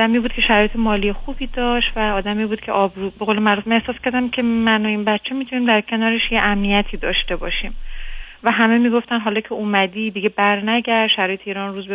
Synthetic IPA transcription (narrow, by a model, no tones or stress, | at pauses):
d̪æmiːbuːd̪̥̚cʰʲe̞ʃæɾɒːjet̪ʰemɒːlijexuːbiːd̪ɒːʃt̪væɒːd̪æmiːbuːd̪̥cʰe̞̰ʔɒːbɾuːbe̞ɣolemæɾufmænehsɒːskʰʲæɾd̪æmcʰe̞mænoiːnbætːt͡ʃʰːe̞mit̪ʰuniːmd̪æɾcʰe̞nɒːɾe̞ʃjeʔæmnijæt̪ʰiːd̪ɒːʃt̪e̞bɒːʃiːmvæɦæme̞miːɡo̞ft̪ænd̪ɦɒːlɒːcʰe̞umæd̪iːd̪iɟe̞bæɾnæɟæʃʃæɾɒːjeeiːɾɒnruːzbe